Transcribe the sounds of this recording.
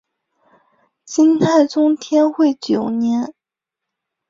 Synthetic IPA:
ɕi˥nt̪ʰa˥˩ɪʈ͡ʂʊ˥ŋt̪ʰjɛ˥nxwe˥˩ɪt͡ɕjo˨˩ʊnjɛ˧˥n

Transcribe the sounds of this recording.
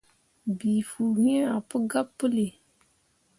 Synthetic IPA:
bi˨fuː˨hɛ˦a˨pʊ˦ɡa˦pːɨ˦li˨

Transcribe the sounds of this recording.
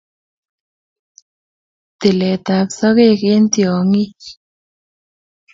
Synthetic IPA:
t̪ɪ˨lɛ˨t̪a˨psɔ˦ke˦˨ke˦nt̪jɔ˨ŋi˦

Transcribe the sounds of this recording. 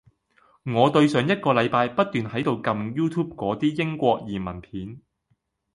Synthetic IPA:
ŋɔː˨˧t̪ɵ˧ɥsœː˨˧ŋjɐ˥t̚kɔː˧lɐ˨˧jpaː˧jpɐ˥t̚t̪yː˨nhɐ˨˥jt̪o˨wkɐ˧mjuː˥t̪ʰuː˥p̚kʷɔː˨˥t̪iː˥jɪ˥ŋkʷɔː˧k̚jiː˨˩mɐ˨˩npʰiː˨˥n

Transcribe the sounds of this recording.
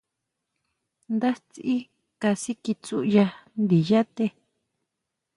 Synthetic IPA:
nd̪a˦t͡si˦ | ka˧si˦ki˧t͡su˦˧ʔja˧nd̪i˨ja˦t̪e˧

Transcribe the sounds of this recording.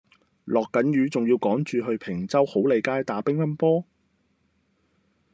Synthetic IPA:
lɔː˨kːɐ˨˥njyː˨˧˥t͡sʊ˨ŋjiː˧wkɔː˨˥ŋt͡ʃyː˨˧ɦɵ˧ɥpʰɪ˨˩ŋt͡sɐ˥who˨˥wle˨˧jkaː˥jt̪aː˨pɪ˥ŋːɐ˥npɔː˥

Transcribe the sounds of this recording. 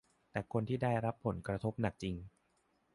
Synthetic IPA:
t̪ɛː˨˩kʰo˧nt̪ʰiː˥˩da˥˩jɾa˦˥pʰːo˨˩˦nkɾa˧t̪ʰo˦˥p̚na˨˩k̚t͡ɕi˧ŋ

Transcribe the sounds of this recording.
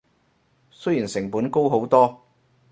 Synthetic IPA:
sɵ˥jiː˨˩nsɪ˨˩ŋpuː˨˥nko˥wɦo˨˥wt̪ɔː˥

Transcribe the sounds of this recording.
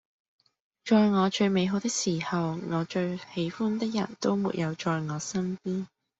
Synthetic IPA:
t͡ʃɔː˧jŋɔː˨˧t͡ʃɵ˧ɥme˨˧jɦo˨˧wt̪ɪ˥k̚siː˨˩hɐ˨wŋɔː˨˧t͡ʃɵ˧ɥhe˨˧˥jfuː˥nt̪ɪ˥k̚jɐ̰˨˩nt̪o˥wmṵ˨˩t̚jɐ˨˧wt͡ʃɔː˧jŋɔː˨˧sɐ˥npiː˥n

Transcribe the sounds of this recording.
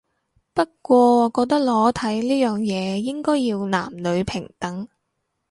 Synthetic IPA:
pɐ˥t̚kʷɔː˧ɔ˨˧kɔː˧k̚t̪ɐ˥k̚lɔː˨˥t̪ʰɐ˨˥jliː˥jœː˨ŋjɛː˨˧jɪ˥ŋkɔː˥jiː˧wna̰ː˨˩mlɵ˨˧ɥpʰɪ˨˩ŋt̪ɐ˨˥ŋ

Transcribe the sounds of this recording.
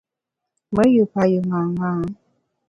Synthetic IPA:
mə˦ju˨pa˨jɯ˨ŋa˨ŋa˨˦

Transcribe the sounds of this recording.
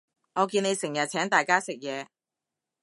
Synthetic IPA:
ŋɔː˨˧kiː˧ne˨˧jsɪ˨˩ŋjɐ˨t̚t͡sʰɛː˨˥ŋt̪aː˨jkaː˥sɪ˨k̚jɛː˨˧

